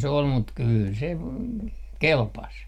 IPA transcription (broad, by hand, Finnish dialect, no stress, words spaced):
se ol mut kyːl se kelpɑs